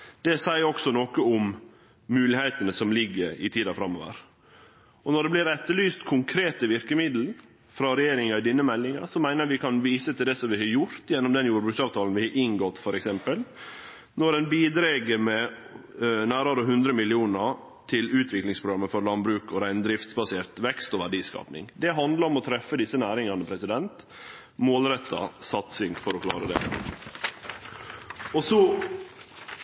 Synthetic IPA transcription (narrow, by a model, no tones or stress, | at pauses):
d̪̥ɛsæɪəɾɔksɔnoːkəʊm | mʉːlɪhɛɪt̪ənəsɔmlɪɡːəɾɪ̰t̪ʰiːd̪ɑfɾɑmːɔʋə̰ɾ | ɔnɔɖ̪ɛblɪɾɛt̪ːəlyːst̪kʰʊŋkʰɾeːt̪əʋɪɾkəmɪd̪l̩ɾ | fɾɑɾɛjeːɾɪŋɑɪd̪ɪnːəmɛlːɪŋɑ̰ɾsɔmæɪnəɾjɑʋɪkʰɑnʋiːsət̪ʰɪld̪ɛsɔmʋɪhɑɾjʊɾt̪jɛnːɔmd̪ɛnjuːɾbɾʉːksɑːʋt̪ʰɑːln̩ʋɪhɑʔɪŋɡɔt̪ːfɔɾɛksɛmpəl | nɔɖɛnbiːd̪ɾeːɡəɾmɛ | næːɾɑɾəɦʉnd̪ɾəmɪlɪuːnəɾ | t̪ʰɪlʉːt̪ʰʋɪklɪŋspɾʊɡɾɑmːəfɔɾlɑnbɾʉːkɔɾæɪnd̪ɾɪft̪sbɑseːɾt̪ʋɛkst̪ɔʋæɖiːskɑ̰ːpnɪ̰ŋd̪ɛɦɑnd̪ləɾɔmɔt̪ʰɾɛfːəd̪ɪsːənæːɾɪŋɑnəpʰɾɛsɪd̪ɛnt̪ | moːlɾɛt̪ʰːɑ̰sɑt̪sɪŋfɔɾɔkʰlɑ̰ːɾəd̪ɛ̰ | ɔsɔ